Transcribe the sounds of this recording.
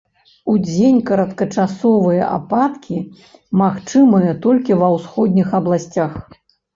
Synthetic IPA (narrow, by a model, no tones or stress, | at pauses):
ud͡zʲenʲkɐɾɐt̪kɐt͡ʂasɔvɨjɐ̰ʔa̰pat̪kʲʰi | maxt͡ʂɨmɨjɐt̪ɔlʲkʲivɐwsxɔd̪ʲnʲixɐblˠasʲt͡sʲax